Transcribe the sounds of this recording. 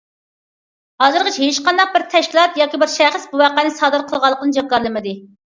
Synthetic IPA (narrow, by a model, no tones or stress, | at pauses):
hɑzɨɾʁət͡ʃʰɛɦet͡ʃqɑnd̪ɑq̚bɪɾt̪ʰɛʃkʲilˠɑt̪jɑːkʲibɪɾʃɛχəsbuwæqænɪsɑːd̪ɨɾqʰəlˠʁɑlˠːəqəd̪d͡ʒɑkːɑɾlˠɨmɨd̪ɪ